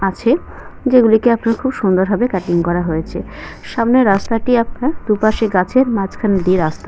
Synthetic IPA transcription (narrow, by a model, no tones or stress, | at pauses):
at͡ɕʰe | d͡ʑeɡulikeapnaɾkʰubʃund̪oɾɦabekɛʈiŋkɔɾaɦojet͡ɕʰeʃamneɾast̪aʈiap̚naɾd̪upaʃeɡat͡ɕʰeɾmad͡ʑkʰand̪ieɾast̪a